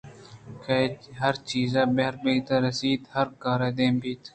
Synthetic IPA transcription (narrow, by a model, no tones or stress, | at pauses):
keɦɐɾt͡ʃiːzaːbeɦɾbeɡt̪ɐɾɐsiːt̪hɐɾkɑːɾeːd̪eːmbiːt̪